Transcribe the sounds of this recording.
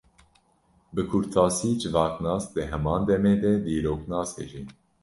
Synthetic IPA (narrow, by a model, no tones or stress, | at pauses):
bɨkʰuɾt̪ʰɑːsiːd͡ʒɨvɑːknɑːsd̪ɨɦɛmɑːnd̪ɛmeːd̪ɛd̪iːɾoːknɑːshḛʒi